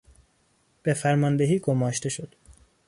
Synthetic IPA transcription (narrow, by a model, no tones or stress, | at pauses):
b̥efæɾmɒːnd̪e̞ɦiːɡomɒːʃt̪e̞ʃo̞d̪̥